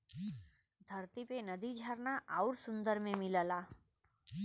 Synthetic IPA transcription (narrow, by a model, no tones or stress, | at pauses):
d̪ʱəɾt̪ipenəd̪id͡ʒʱəɾnaʔaʊɾsʊ̃nd̪əɾmẽmɪləlaː